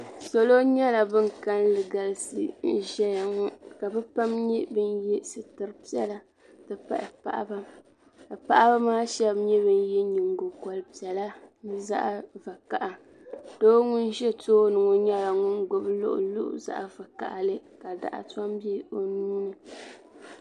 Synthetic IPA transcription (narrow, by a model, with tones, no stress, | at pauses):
so˦lo˦ɲɛ˦la˨bɨ˦ŋka˦nlɨ˨ɡa˨lsɨ̰˨n̩˦ʒɛ˦ja˨ŋɔ˦ka˨bɛ˦pa˦mɲi˦bɨ˦njɛ˦sɨ˨tɨ˨ɾɨ˦pi˦ɛ˦la˦ | tɨ˦pa̰˦ʔɪ˨pa˨ʔa̰˦ba˦ | ka˨pa˦ʔba˦maː˦ʃɛ˦bɲɛ˦bɨ˦n˦jɛ˦ɲi˨ŋɡo˨kɔ˨lɨ˦pi˨ɛ˨la˦nɨ˦za̰˦ʔva˨ka˨ʔa˨ | d̥oː˦ŋʊ˦n˦ʒɛ˦toː˦nɨ˨ŋo˨ɲɛ˦la˨ŋʊ˦nɡʊ˦blʊ̰˦ʔʊ̰˨lʊ̰˦ʔʊ̰˨za̰˦˨ʔa˨va˨ka̰˨ʔa˨lɨ˦ka˨da̰˨ʔa̰˨ta˦mbɛ˦o˨nuː˦nɨ˨